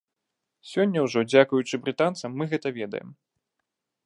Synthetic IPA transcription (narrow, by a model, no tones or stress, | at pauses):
sʲɔnʲːɐwʐɔd͡zʲakujut͡ʂɨbɾɨt̪ant̪sɐmːɨɣɛt̪ɐvʲɛd̪ɐ̰jɛ̰m